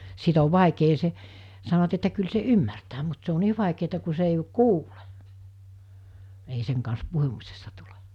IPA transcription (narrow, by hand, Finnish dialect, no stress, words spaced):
sit oʋ ʋɑˑekeː se sɑnoʋɑt etːæ kyl se ymːærtæː mut se o niː ʋɑˑikeːtɑ ku se ei kuːle ei seŋ kɑns puhumisestɑ tule